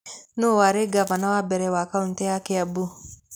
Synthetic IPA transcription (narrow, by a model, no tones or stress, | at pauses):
nowaɾeɡavanawabɛɾɛwakaun̩tɛjakɛabu